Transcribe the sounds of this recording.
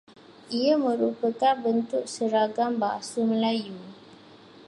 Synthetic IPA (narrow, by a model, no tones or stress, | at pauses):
ʔiamə̃ɾupəkanbənt̪ʊk̚səɾaɡambaasuməlaju